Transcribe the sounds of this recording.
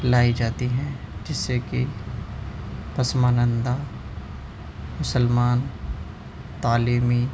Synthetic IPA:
laːid͡ʒaːt̪iɦɛ̃d͡ʒɪsːeki | pɐsmaːnə̃nd̪a | mʊsəlmaːn | t̪aːliːmi

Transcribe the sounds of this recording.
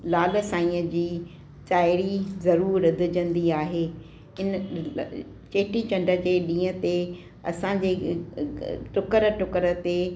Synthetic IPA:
laːlsaːĩːəd͡ʑiː | t͡ɕaːɪɾizɐɾuːɾɐd̪ʱʊd͡ʑə̃nd̪iaːɦeː | ɪn | t͡ɕeːʈit͡ɕɐ̃ɳɖə̆d͡ʑeːɗĩːə̃t̪e | ɐ̰sãd͡ʑeː | ʈʊkəɾʈʊkəɾət̪e

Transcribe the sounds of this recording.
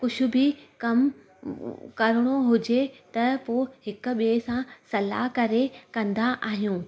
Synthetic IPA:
kʊʃʰʊbɪkɐm | kɐɾɪɽ̃oɦʊd͡ʑet̪ɐpohɪkʊ̆ɓiesãsɐla̰kɐɾekɐ̃nd̪aʔaːɦijũː

